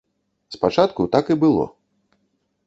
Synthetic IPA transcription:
spat͡ʂat̪kut̪akibɨlˠɔ̰

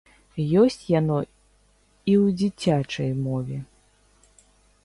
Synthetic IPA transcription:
jɔsʲt͡sʲjanɔ | iwd͡zʲit͡sʲat͡ʂɐjmɔvʲɛ

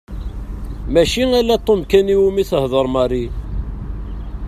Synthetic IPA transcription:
mæʃiŋælːæt̪ˤːomkæniwumiθəhðˤəɾˤmɑɾi

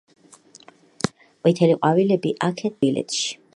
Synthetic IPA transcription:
qʼwit̪ʰɛliqʼwavilɛbiʔakʰɛd̪̚ʰbilɛ̰t̪ʰʼʃi̥

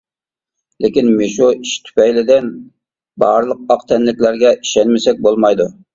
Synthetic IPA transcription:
lɪkʲinmeʃuiʃt̪ʰy̥pɛjlɪd̪ɪn | bɑɾlˠəq̚ɑqt̪ʰɛnlɪkʲlæɾɡʲɛʔiʃɛnmɪsɛk̚ʲbolˠmɑjd̪u

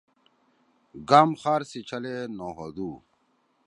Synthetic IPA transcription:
ɡaːmχaːɾsit͡ɕʰɐlenoːɦod̪uː

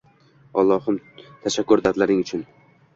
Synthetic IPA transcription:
ɒ̰lˠːɒhʊmt̪ʰaʃakʰːʊɾd̪ad̪laɾɪŋʊt͡ʃʰʊn

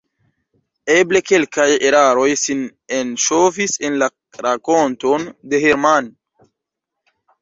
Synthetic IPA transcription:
eble̞ke̞lkajeɾaɾo̞jsinenʃovisenla | ɾakontonde̞heɾman

